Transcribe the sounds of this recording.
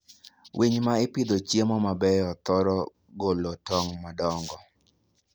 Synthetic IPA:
wʔiɲmaɪpid̪ot͡ʃjemɔmabɛjɔt̪ɔɾɔ | ɡolotɔŋmadɔŋɡɔ

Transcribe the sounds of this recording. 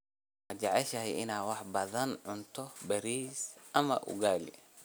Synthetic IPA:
wɑt͡ʃɑʕɛʃɐɦɛjɪnaːwɑħbɐðɐnʕʊnt̪ʰɔbɐɾiːsʔɐmɐ̰ʔʊ̰ɣaːlḭ

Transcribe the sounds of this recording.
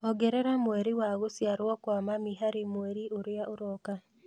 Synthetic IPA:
ɔɡɛɾɛɾamwɛɾiwaɣosjaɾwɔkwamamiɦaɾemweɾiʔoɾeaʔoɾɔka

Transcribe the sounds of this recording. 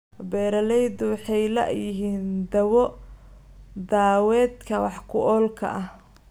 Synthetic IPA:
bɛːɾɐlɛjd̪ʊwɑħɑjlɐ̰ʔjɪɦiːnd̪ɐwɔ | d̪aːwɛːd̪kʰɐwɑħkʰʊʔɔːlkʰɐ̰ʔɐh

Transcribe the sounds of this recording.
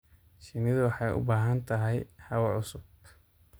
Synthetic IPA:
ʃɪnɪðʊwɑħɑjʔʊ̰baːɦɐnt̪ʰɐɦɛjhɐwɐʕʊsʊb̚

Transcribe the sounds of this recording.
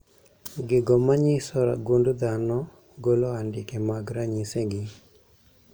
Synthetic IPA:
ɡɪɡɔmaɲɪsɔɾa̰ɡondod̪anɔ | ɡoloandɪkemaɡɾaɲiseɡɪ

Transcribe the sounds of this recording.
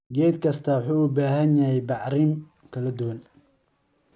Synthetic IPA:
ɡɛjd̪kʰɐst̪ʰɐwʊħuːbaːɦɐnjɐhɛjbɑʕɾɪn | kʰɐlɐd̪ʊwɐn

